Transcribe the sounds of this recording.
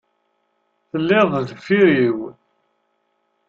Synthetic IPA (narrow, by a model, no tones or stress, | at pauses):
θəlːɪðˤðəfiɾiw